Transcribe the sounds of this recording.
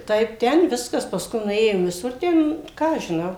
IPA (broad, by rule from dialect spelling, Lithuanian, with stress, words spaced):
ˈtɐɪp ˈtʲɛn ˈʋʲɪskɐs pɐˈskʊɪ nʊˈeːjoːm ʋʲɪˈsʊr ˈtʲɛn ˈkɑː ɐʃ ʒʲɪˈnɐʊ